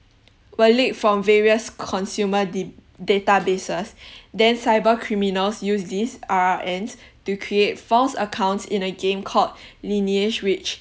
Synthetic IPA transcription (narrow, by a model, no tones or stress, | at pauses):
wəlekfɹɔ̃mvɛɹiəskʰɔ̃nsjumə | detabesəsdɛ̃nsaɪbəkʰɹiminəlsjusdisaʔɛ̃nstukʰɹiet̚fɔlsəkʰãʊ̃ntsḭ̃nəɡẽmkʰɔtlinied͡ʒwit͡ʃ